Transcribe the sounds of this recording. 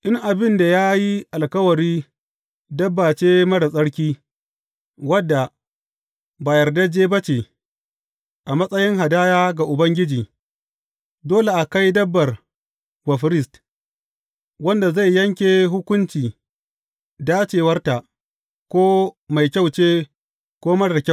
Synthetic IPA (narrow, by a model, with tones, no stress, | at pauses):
ʔɪ˦ŋʔa˨bɪ˦nda˨jaː˦ji˦ʔa˨lkɐ˦wɐ˨ɾiː˦ | dɐ˦bːaː˨t͡ʃeː˦mɐ˦ɽa˨sʼɐ˦ɽkʲiː˦ | wɐ˦dːa˨ | ba˨jɐ˨rda˦d͡ʒeː˦bɐ˦t͡ʃe˨ | ʔa˨mɐ˦sʼɐ˦jɪ˦ŋha˨daː˦jaː˦ɡa˨ʔʊ˨bɐ˦ŋɡʲɪ˦d͡ʒiː˨ | doː˦le˨ʔa˨ka˦jdɐ˦bːɐ˨r | wɐ˨ɸɾɪ˦st | wɐ˦nda˨za˦˨jːɐ˦ŋkʲe˨ɦʊ˦kʷʊ˦nt͡ʃiː˨ | daː˦t͡ʃeː˨wɐ˦rta˨ʔ | kʷoː˦ma˨jkʲa˦˨wt͡ʃeː˦ | kʷoː˦mɐ˦ɽɐ˨kʲa˦˨